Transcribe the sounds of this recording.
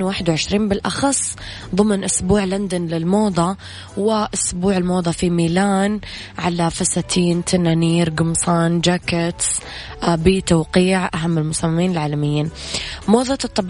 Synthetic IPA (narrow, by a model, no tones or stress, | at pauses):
waːħɪd̪wʕɪʃɾiːnbɪlʔɑ̰xɑsˤː | ðˤɨmnʔʊsbuːʕland̪anlɪlmoːðˤɑ | wɪʔʊsbuːʕɪlmoːðˤɑfimiːlaːn | ʕalafasaːt̪ʰiːnt̪ʰananiːɾɡʊmsˤɑːnd͡ʒaːkɪt̪s | bit̪awqiːʕʔaɦamːɪlmʊsamːamiːnɪlʕaːlamɪjːiːnmoːðˤɑt̪ˤːɑb